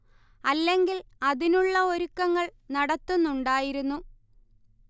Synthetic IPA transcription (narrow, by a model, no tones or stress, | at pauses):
ɐlːe̞ŋɡil | ɐðinuɭːɐo̞ɾukːɐŋːɐɭnɐɽɐt̪ːunːuɳɖaːjiɾunːu